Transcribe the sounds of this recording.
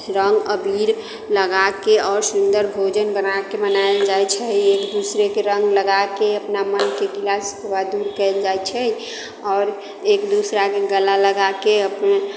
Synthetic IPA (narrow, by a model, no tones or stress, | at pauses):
ɾə̃ŋɡəbiɾ | ləɡakeɔːɾsund̪əɾbʱod͡ʒənbənakemənaeld͡ʒajt͡ʃʰɛekd̪usɾekeɾə̃ŋɡləɡakeəpnamənkekilaskbad̪uɾkɛɪld͡ʒajt͡ʃʰɛ | ɔːɾ | eːkd̪usɾakeɡəlaləɡakeəpne